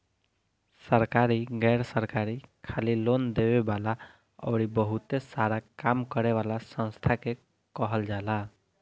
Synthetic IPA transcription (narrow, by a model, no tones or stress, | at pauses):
səɾkaɾiɡɛɾsəɾkaɾikʰalilond̪ebebala | ɔ̰wɾibəɦut̪esaɾakamkəɾeʋalasə̃nst̪ʰake | kɔɦəld͡ʒala